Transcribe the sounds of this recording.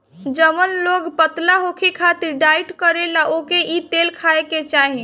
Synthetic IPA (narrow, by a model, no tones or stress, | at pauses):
d͡ʒəmənloɡpət̪laɦokʰekʰat̪iɾɖaiʈkəɾelaʔokeʔit̪elkʰaeket͡ʃaɦẽ